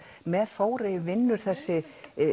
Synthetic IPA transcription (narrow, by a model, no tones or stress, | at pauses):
mɛðfoːwɾɪvɪnːʏɾ̥θɛsːɪ